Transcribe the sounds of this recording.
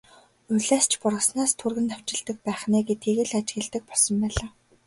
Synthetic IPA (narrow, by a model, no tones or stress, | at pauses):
ʊɮæːst͡ɕʰpʊrʁə̆snaːst̪ʰurɣɘ̆nt̪ʰaw̥t͡ɕɪ̆ɮt̪ə̆k̚pæːχnæːɡet̪ɡeɣɘ̆ɮat͡ɕɣɘ̆ɮt̪ɘ̆k̚pɔɮsɞ̆mpæːɮaː